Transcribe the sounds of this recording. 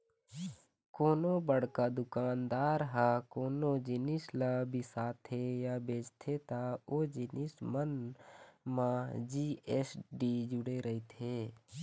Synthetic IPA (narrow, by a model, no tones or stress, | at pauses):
koːnobəɽ̤kad̪ʊkaːnd̪aːɾɦakoːnod͡ʒɪnɪslabɪsaːt̪ʰejabeːd͡ʒt̪ʰet̪aoːd͡ʒɪnɪsmən | mãd͡ʒiːesɖid͡ʒʊɽeɾəɦit̪ʰeː